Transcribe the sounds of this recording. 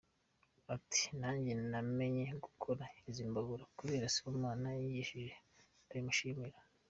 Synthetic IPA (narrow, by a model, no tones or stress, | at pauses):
ati̥naːɲɟename̞ɲe̞ɡukʰo̞ɾaiziːmbaɡuɾakuɾeːɾasi̥kumaːnajijiʃiʒe̞ | aɾimuʃiːmiɾa